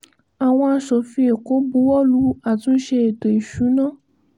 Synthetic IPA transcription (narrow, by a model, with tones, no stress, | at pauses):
a˨w̃ɔ̃˧a˧ʃɔ˨fĩ˧˦e˨ko˨˦bu˨˦wɔ˦lu˨˦a˦˨tũ˨˦ʃe˧e˨to˨i˨ʃu˨˦nã˦